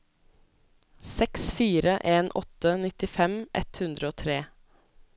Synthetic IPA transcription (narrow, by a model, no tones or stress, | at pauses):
sɛksfiːɾəʔeːnʔɔt̪ənɪt̪ɪfɛmʔɛ̰t̪hʉnd̪ɾəoːt̪ʰɾeː